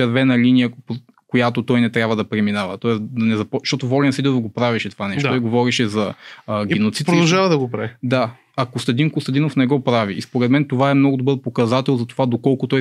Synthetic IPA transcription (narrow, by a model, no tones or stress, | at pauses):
ɛɾvɛnɐlinijəpɾ | kojat̪ot̪ɔjnɛt̪ɾʲabvəd̪ɐpɾɛminavət̪ɔɛsd̪ɐnɛzɐpɔʃt̪ɔt̪ovɔlɛnsid̪inofɡopɾaviʃɛt̪o̥vanɛʃt̪oiɡovɔɾiʃɛzɐɡʲɛnot̪sitpɾod̪ɐʒavɐd̪ɐɡopɾavid̪a | ɐkost̪ɐd̪inkost̪ɐd̪inofnɛɡɔpɾaviːspoɾɛd̪mɛnt̪ovaɛmnɔɡʊd̪obɤɾpokɐzat̪ɛlˠzɐt̪ovad̪okɔlˠkʊt̪ɔj